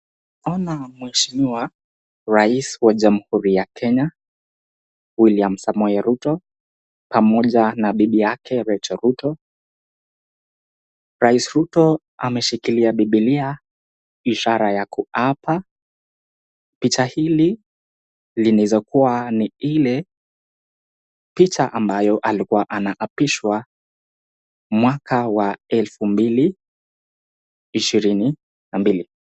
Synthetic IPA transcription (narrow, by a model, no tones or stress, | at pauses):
ɔnamwɛʃimiwa | ɾaiswaʄam̩huɾijakʰɛɲa | wiliam̩samɔɛɾutɔ | pamɔʄanaɓiɓijakʰɛɾɛt͡ʃɔɾutɔ | ɾaisɾutɔ | amɛʃikiliaɓiɓilia | iʃaɾajakuapʰa | pit͡ʃahili | linizɔkuwaniilɛ | pit͡ʃaʔambajɔʔalikuwaʔanaʔapiʃwa | mwakawaɛlfumbili | iʃiɾini | nambili